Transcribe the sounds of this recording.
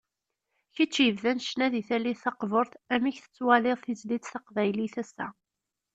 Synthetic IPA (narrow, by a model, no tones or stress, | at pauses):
çit͡ʃːjəvðænʃnæðiθælːiθθɑqvəɾˤθæmiçθə̥t͡sːwæleðˤθizlit͡s̪θɑqvæjliθæsːæ̰